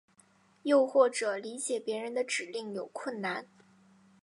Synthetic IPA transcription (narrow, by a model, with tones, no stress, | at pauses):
jo˥˧ʊxwɔ˥˩ʈ͡ʂɤ˨˩li˧˥t͡ɕjɛ˨˩pjɛ˧˥ɻə˧˥nd̪ə˧ʈ͡ʂɻ̩˨˩li˥˩ŋjo˨˩ʊkʰwə˥˩nna˥˩n